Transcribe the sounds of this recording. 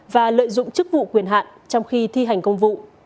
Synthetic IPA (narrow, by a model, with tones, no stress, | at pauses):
vaː˨˩lə̰ː˧˨jzʊ̰˧˨ŋ͡mt͡ɕɨ˦˥k̚vṵ˧˨kwi˧˩ənɦa̰ː˧˨n | t͡ɕɔ˧wŋ͡mxi˧t̪ʰi˧ɦa˨˩jŋ̟kə˧wŋ͡mvṵ˧˨